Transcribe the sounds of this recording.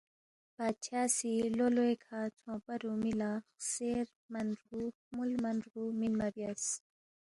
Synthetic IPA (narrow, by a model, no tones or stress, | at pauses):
pat͡ɕʰaːsiloloekʰat͡sʰõːpɐɾumilaseɾ | mɐnɾu | mulmɐnɾuminmɐbjas